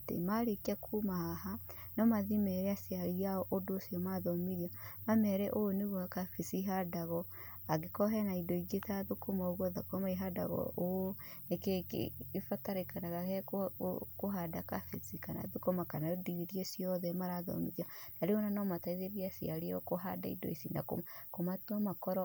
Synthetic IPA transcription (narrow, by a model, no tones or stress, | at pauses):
tḛmaɾekakʰumahaha | nɔmaðimɛɾɛasiaɾiaɔʔodoːsjɔmaðɔmiɾiɔmamɛɾɛʔooneɣoakafisiɦadaɣɔ | aɡekɔɦɛnaidoiɡetaðokomaoɣwɔðakɔmaiɦada̰ɣɔ̰ʔoo | nekekḛfataɾekanaɣahɛkkoɦadakafisikana̰ðokomakanaodiɾiesiɔðɛmaɾaðɔ̰miðiɔnaɾeɣɔnanamataiðeɾiasiaɾiɔkoɦada̰ḭdo̰isina̰ko̰komatwamakɔɾɔ